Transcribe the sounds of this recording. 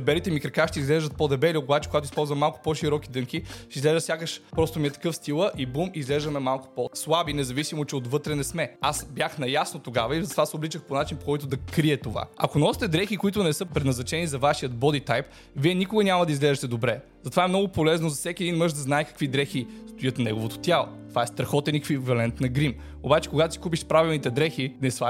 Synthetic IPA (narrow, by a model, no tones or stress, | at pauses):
bɛlit̪ɛmikɾɛkaʃt̪ɛizɡlɛʒd̪ət̪̚pod̪ɐbɛliokobat͡ʃɛkoɡat̪ʊispɔlˠzvɐmːalˠkʊ̥pɔʃiɾɔkid̪ɤŋkiʃt̪ɛizlɛʒd̪sʲjakəʃpɾɔst̪omiɛt̪ɐ̥kɤfst̪ilˠəʔibumizɡlɛʒd̪ɐmɛmalˠkʊ̥pɔslˠabinɛzɐvisimot͡ʃɛot̪vɤt̪ɾɛnɛsmɛasbjaxnɐjasnot̪oɡavɐizɐt̪ovasɛoblit͡ʃəxponat͡ʃinpo̥kɔjt̪ʊd̪ɐkɾiɛt̪ova̰ɐ̰konɔst̪ɛd̪ɾɛxikoit̪ʊnɛsɤpɾɛd̪nɐznɐt͡ʃɛnizɐvaʃijət̪̚bɔd̪it̪ajp | viɛnikoɡənʲamɐd̪ɐizɡlɛʒɛt̪ɛd̪obɾɛ | zɐt̪ovaɛmnɔɡʊpolɛznozɐfsɛkʲiɛd̪inmɤʒd̪ɐznaɛkɐ̥kvid̪ɾɛxist̪ojət̪nnɛɡovot̪o̥t̪ʲjalˠo̰t̪ovaɛst̪ɾɐxɔt̪ɛnɛkvivɐlɛnt̪nɐɡɾim | obat͡ʃɛ̥koɡat̪osi̥kup̬iʃpɾavilˠnit̪ɛd̪ɾɛxinɛsva